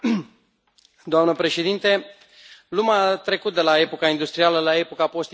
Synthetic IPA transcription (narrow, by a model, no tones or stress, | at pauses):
d̪oamnəpɾe̞ʃe̞d̪int̪e | lumat̪ɾe̞kut̪̚d̪e̞lae̞po̞kaind̪ust̪ɾialəlae̞po̞kapo̞st̪i